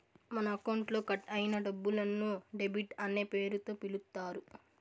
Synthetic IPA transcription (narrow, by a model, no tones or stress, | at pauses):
mɐnɐːkɐwɳʈlo̞ːkɐʈɐjinɐɖɐbːulɐnːuɖe̞biʈɐnːe̞ːpe̞ːɾut̪o̞ːpilut̪ːaːɾu